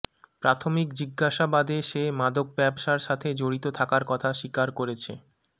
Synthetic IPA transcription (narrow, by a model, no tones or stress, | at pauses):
pɾat̪ʰomikd͡ʑiɡːaʃabad̪eʃemad̪ok̚bɛbʃaɾʃat̪ʰed͡ʑoɽit̪ot̪ʰakaɾkɔt̪ʰaʃikaɾkoɾet͡ɕʰḛ